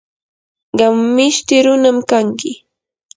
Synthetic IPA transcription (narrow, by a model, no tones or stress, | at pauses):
ɢɑmːɪʃt̪ɪɾʊnamkaŋkɪ